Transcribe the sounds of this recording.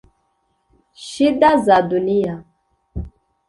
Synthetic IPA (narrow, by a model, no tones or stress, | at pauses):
ʃidazadunija